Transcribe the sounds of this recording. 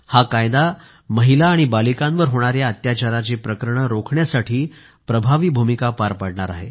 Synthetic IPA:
hakajd̪a | məɦilaːɽ̃ibalikãnʋəɾɦoɽ̃aɾjaət̪jat͡ɕaɾat͡ɕeːpɾəkəɾɳəɾokʰɳjasaʈʰiː | pɾəbʱaʋiːbʱumikapaɾpəɽɳaɾa̰ɦḛ

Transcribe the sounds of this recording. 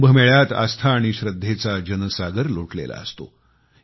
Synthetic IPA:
bʱəmeɭjat̪a̰st̪ʰaːɽ̃iɕɾəd̪ʱːet͡sad͡ʑənəsaɡəɾloʈlḛla̰əst̪o̰

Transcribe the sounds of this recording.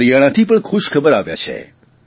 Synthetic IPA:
ɾijaɽ̃at̪ʰip̬əɳkʰuʃkʰəbəɾaʋja̰t͡ʃʰḛ

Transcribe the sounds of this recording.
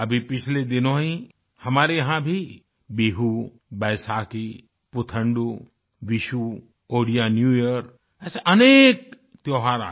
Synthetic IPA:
ɐbʱipɪt͡ʃʰled̪ɪnõɦĩ | hɐmaːɾejɐɦãbʱi | biːɦu | bɛːsaːki | pʊt̪ʰə̃ɳɖu | ʋɪʃu | oːɽijanjuːjəɾ | ɛːseʔɐneːk̚ | t̪joːɦaːɾa̰

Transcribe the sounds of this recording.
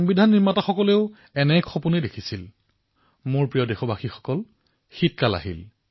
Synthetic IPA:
ɔŋbidʱanːiɹmataxɔkɔleʊ | ɛnɛkʰːɔpunɛdekʰisil | mʊɹpɹijɔdexɔbʱaxixɔ̥kɔl | xit̚kala̰ɦḭl

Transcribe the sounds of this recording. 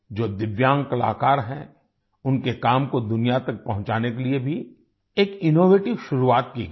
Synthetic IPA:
d͡ʒoːd̪ɪʋjãːŋkɐla̰ːkaːɾɦɛ̃ | ʊnkekaːmkod̪ʊnijat̪ɐk̚pɐɦʊ̃t͡ʃaːnekeliebʱi | eːkɪnoːʋeːʈɪʋʃʊɾuaːt̪ki

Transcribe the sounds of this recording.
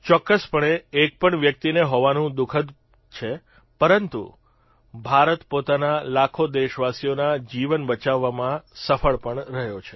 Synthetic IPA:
t͡ʃɔkːəspəɳeːk̚pəɳʋjək̚t̪ineɦɔʋanũd̪ukʰəd̪ | t͡ʃʰe | pəɾənt̪ṵ | bʱaɾət̪pot̪analakʰod̪eʃʋasijonad͡ʒiʋənbət͡ʃaʋːamãsəfəɭpəɳɾəɦjot͡ʃʰe

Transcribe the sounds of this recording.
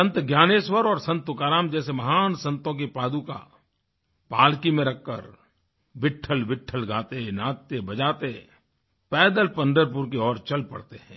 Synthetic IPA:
ə̃nt̪ɡjaːneːswəɾɔːɾsɐ̃nt̪ʊkaːɾaːmd͡ʒɛːsemɐɦaːnsɐ̃nt̪õk̬epaːd̪uka̰ | paːlkimẽɾɐkːə̰ɾ | ʋɪʈʰːəlʋɪʈʰːəlɡaːt̪enaːt̪ːebɐd͡ʒaːt̪e | pɛːd̪əlpɐ̃nd̪əɾp̬ʊɾkeɔːɾt͡ʃɐlpɐ̰ɽt̪eɦɛ̃ː

